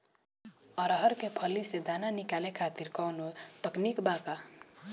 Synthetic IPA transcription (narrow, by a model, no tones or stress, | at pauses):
ʌɾʌɦʌɾkepʰʌlːised̪ananikalekʰat̪iɾkʌwnut̪ʌknikbaka